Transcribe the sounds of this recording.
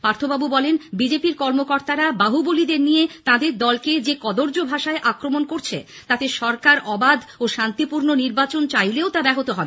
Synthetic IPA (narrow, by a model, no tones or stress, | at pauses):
paɾt̪ʰobabubɔlenbid͡ʑepiɾkɔɾmokɔɾt̪aɾabaɦubolid̪eɾnijet̪ãd̪eɾd̪ɔlked͡ʑekɔd̪oɾd͡ʑobʱaʃaeʔakɾomonkoɾt͡ɕʰḛ | t̪at̪eʃɔɾkaɾʔɔbad̪ʱoʃant̪ipuɾnoniɾbat͡ɕont͡ɕajleot̪abɛɦot̪oɦɔbe